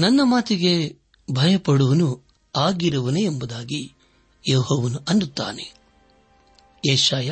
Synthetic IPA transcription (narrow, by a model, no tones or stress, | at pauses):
nɐnːɐmaːt̪iɡe̞ | bʱɐjɐpɐɽuʋɐnu | aːɡiɾɐʋɐneembɐd̪aːɡi | jeːhoːʋɐnuʔɐnd̪ut̪ːa̰ːne | eːʃaːja